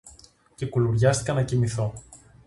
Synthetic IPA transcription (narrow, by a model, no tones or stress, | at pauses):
ce̞kuluɾʝɐst̪i̥kɐnɐcimiθo̞